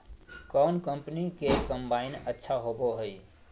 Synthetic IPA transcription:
kɔnkəmpnikekəmbainətːʃʰaɦoboɦəj

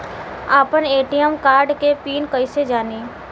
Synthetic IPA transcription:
aːpəneːʈijəmkaːɾɖkepiːnkəised͡ʒaːniː

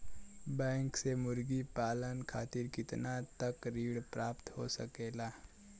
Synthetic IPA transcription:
bə̃ŋksemʊɾɡipaːlənkʰat̪iːɾkɪt̪nat̪əkɾiːɽpɾapt̪ho̰səkela

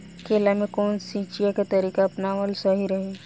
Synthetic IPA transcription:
keːlamẽkɔːnsĩːt͡ʃijakat̪ɐɾiːkaɐpnaməlsɐɦiɾɐɦe

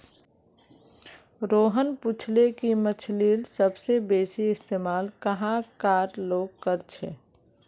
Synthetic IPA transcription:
ɾoːɦənput͡ʃʰlekimət͡ʃʰliːlsəbsebeːsiɪst̪eːmaːlkəɦãkaːɾloːɡ̚kəɾt͡ʃʰḛː

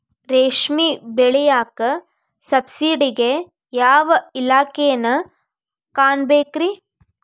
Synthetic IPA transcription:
ɾeːʂmibeɭejaːkɐ | sɐbsiːɖiɡe | jaːʋɐilaːkejnɐ | kaːnbeːkɾi

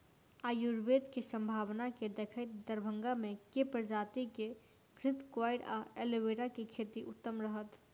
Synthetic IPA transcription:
ajuɾbed̪kesə̃mbʱaʋnaked̪ekʰəɪt̪̚d̪əɾbʱəŋɡamekepɾəd͡ʒat̪ike | ɡɾɪt̪kwaɪɽa̰eleʋeʈakekʰet̪iʔʊt̪ːəmɾəɦət̪

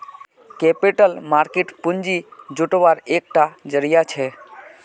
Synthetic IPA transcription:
kepiʈəlmaɾkeʈpund͡ʒid͡ʒuʈʋaɾek̚ʈad͡ʒəɾijat͡ʃʰɛ

